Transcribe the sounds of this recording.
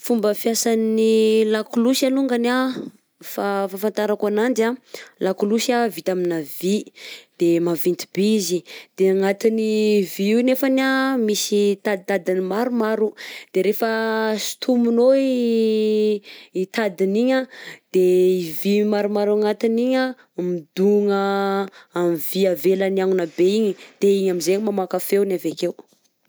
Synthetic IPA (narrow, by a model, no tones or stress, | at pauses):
fumbəfjasannilakulusaluŋɡana | fafafant̪aɾakanand̪alakulusavit̪aminavid̪̥emavint̪i̥bizid̪̥eaŋat̪iniviiwnefanamisit̪ad̪it̪ad̪inimaɾumaɾud̪̥eɾefəsi̥t̪ʰumunoi | it̪ad̪iniɲəd̪̥eivimaɾumaɾuaŋat̪iniɲə | mid̪uŋə | amiviavelaniaŋunabeiɲid̪̥eiɲamizeɲimamakafenavekew